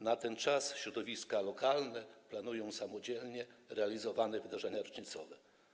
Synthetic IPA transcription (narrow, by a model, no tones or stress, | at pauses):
nat̪ɛnt͡ʂasɕɾɔd̪ɔvʲiskalɔkalnɛplanujɔ̃w̃samɔd͡ʑɛlɲɛɾɛalʲizɔvanɛvɘd̪aʐɛɲaɾɔt͡ʂɲit̪sɔvɛ